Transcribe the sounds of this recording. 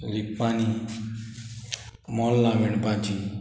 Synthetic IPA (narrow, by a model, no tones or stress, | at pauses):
likpani | mɔlːaʋiɳbãd͡ʒi